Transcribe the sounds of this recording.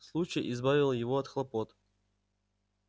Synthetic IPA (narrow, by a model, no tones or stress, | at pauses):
slˠut͡ɕɪjʔɪzbavʲɪlˠəjɪvoɐt̪xlˠɐpot̪